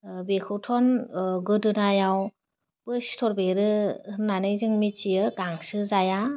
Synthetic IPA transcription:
bekʰɯwtʰɔnɡɯdɯnajaw | pɯstʰɔɾbeɾɯnanɯjzɯŋmit͡ʃiɯɡaŋsɯzaja

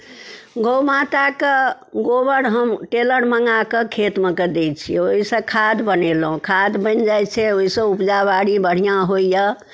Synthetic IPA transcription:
ɡowmat̪ake | ɡobəɽɦəmʈeləɽməŋɡakekʰet̪meked̪et͡ʃʰioɦisə̃kʰad̪bənelɦũkʰad̪bənd͡ʒajt͡ʃʰɛoɦisə̃upd͡ʒabaɽibəɽ̤ijaɦojjə

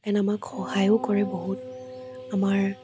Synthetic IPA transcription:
ɛnamakxɔhajokɔɹɛbɔɦutamaɹ

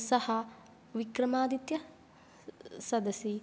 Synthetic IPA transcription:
sɐhɐ | ʋikɾɐmaːd̪it̪jɐ | sɐd̪ɐsi

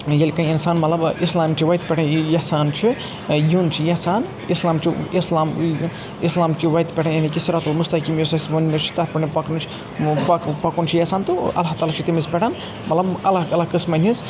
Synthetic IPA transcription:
jɐlkɐinsaːnmɐt̪lɐbislaːmt͡ʃʰiʋɐjt̪pʲɛʈʰanjɐsaːnt͡ʃʰi | junt͡ʃʰijɐsaːn | islaːmt͡ʃʰiislaːm | islaːmt͡ʃʰiʋɐjt̪pʲɛʈʰanjɐnikʲisiɾat̪ɐlmust̪ɐkiːmjesɐsbɐnmʲet͡ʃʰi̥t̪at̪pɐnʲipɐknut͡ʃʰi | pɐkpɐkunt͡ʃʰijɐsaːnt̪uɐ̰lat̪aːlat͡ʃʰit̪imispʲeʈʰan | mɐt̪lɐbɐlaɐlakɨsmɐnʲiz

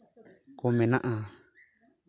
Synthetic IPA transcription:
komẽnãʔã

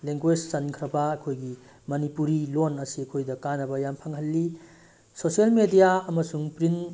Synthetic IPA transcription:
leŋɡwed͡ʒsankʰɾɐbɐɐkʰojɡi | mɐnipuɾilonɐsiɐkʰojdɐkanɐbɐjampʰaŋhɐlːi | sosielmedijaɐmɐsuŋpɾin

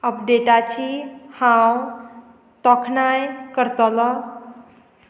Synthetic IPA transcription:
əpʰɖeʈat͡ʃʰihãw | t̪ɔkʰnajkəɾt̪əlʌ

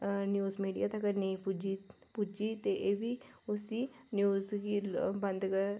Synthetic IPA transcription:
njuːzmiːɖijaːt̪ɐkəneipud͡ʒipud͡ʒiːt̪eʔeːbiːʊsiːnjuːzɡibənd̪ɡ

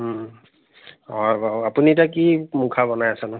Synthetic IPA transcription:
ɔbaapunitak̬imukʰabɔnajasanʊ

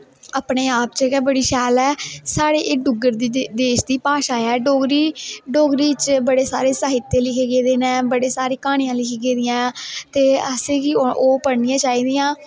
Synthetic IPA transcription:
aːpɳeːaːp̚t͡ʃeːkɛːbəɽiːʃɛːlɛːsaːɽeːʔeːɖʊɡəɾd̪iːd̪eːʃd̪iːpaːʃaːɛːɖoːɡɾiːɖoːɡɾiːt͡ʃbəɽeːsaːɾeːsaːɦɪt̪ːẽːlɪkʰeːɡeːd̪eːnɛ̃ːbəɽeːsaːɾeːkaːɽ̃ĩjãːlɪkʰeːɡeːd̪ɪjãːt̪eːəseːɡioːpəɽnɪjãːt͡ʃaːiːd̪ɪjãː

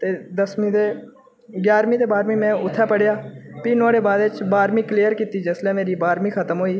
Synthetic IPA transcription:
t̪eːd̪əsmĩːd̪eː | ɡjaːɾmĩːd̪eːbaːɾmĩːmɛ̃ːʊt̪ʰːɛːpəɽjaːpiːnaːɽeːbaːd̪ɪt͡ʃbaːɾmĩːkliːəɾkiːt̪iːd͡ʒəslɛ̃ːmeːɾiːbaːɾmĩːkʰət̪əmɦoːiː

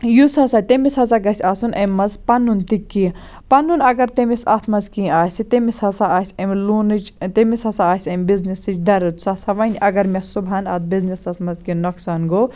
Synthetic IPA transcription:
jusɐsaːt̪emisɐzaɡɐsʲaːsunʔɐmːɐzpɐnːunt̪ikːi | pɐnːunɐɡɐɾt̪emisɐ̰t̪ʰmɐzkĩaːsʲit̪emishɐsaaːsʲɐmʲluːnɨt͡ʃt̪emisɐsaaːsʲɐmʲbiznisɨt͡ʃd̪ɐɾɨt̪sɐːsɐʋɐnʲʔɐɡɐɾmʲesubaːnɐt̪̚biznisɐt̪ʰmɐzkinoksaːnɡoː

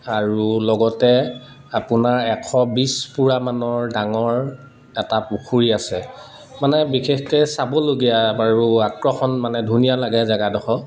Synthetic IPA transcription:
aɹulɔɡɔtɛ | apʊnaɹɛkʰɔbispuɹamanɔɹdaŋɔɹ | ɛtapukʰuɹiasɛ | manɛbixʰexkɛsabɔloɡijaaɹuakɹɔxɔnmanɛdʱunijalaɡɛzaɡadɔxʰɔ

